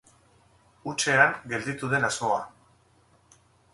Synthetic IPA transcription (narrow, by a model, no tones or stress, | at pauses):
ut͡ʃe̞aŋɡe̞ld̪it̪uð̞e̞nazmo̞a